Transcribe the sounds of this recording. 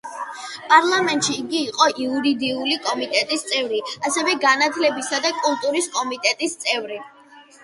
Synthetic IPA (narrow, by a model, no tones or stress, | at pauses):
pʼaɾlˠamɛnt̪ʼʃiːɡiːqʼɔʔiuɾid̪iulikʼɔmit̪ʼɛt̪ʼist̪sʼɛvɾiasɛvɛɡanat̪ʰlɛbisad̪akʼulˠt̪ʼuɾiskʼɔmit̪ʼɛt̪ʼist̪sʼɛvɾi